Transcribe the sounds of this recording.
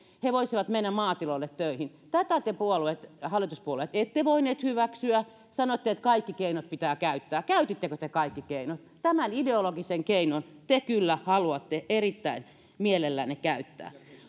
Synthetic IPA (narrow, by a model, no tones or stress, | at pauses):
heʋoisiʋɑt̪menːæmɑːt̪ilolːet̪tøihint̪æt̪æt̪epuoluet̪hɑlːˑit̪uspuoluet̪et̪ːeʋoineːt̪hyʋæksyæ | sɑnot̪ːeet̪kɑikːikeinot̪̚pit̪æːkæyt̪ːæːkæyt̪it̪ːekøt̪ekɑikːikeinot̪t̪æmænideoloɡiseŋkeinont̪ekylːæhɑluɑt̪ːeʔerit̪ːæin | mielelːænːekæyt̪ːæ̰ː